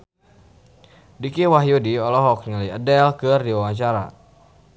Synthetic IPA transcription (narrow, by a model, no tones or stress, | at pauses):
dikiwaɦjudiɔlɔɦɔk̚niləjədɛlkɨrdiwawaɲt͡ʃaɾa̰